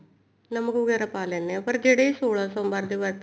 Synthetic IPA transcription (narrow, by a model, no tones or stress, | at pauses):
nɐməkʋəɡɛːɾapaːleːnːãpɐɾd͡ʒeːɽeisoːɭãːsõːmbaːɾd̪iʋɐɾt̪